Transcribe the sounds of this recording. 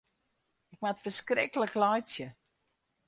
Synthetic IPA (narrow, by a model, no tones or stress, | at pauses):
ɪkmatfərskrɪkələklɔjsjə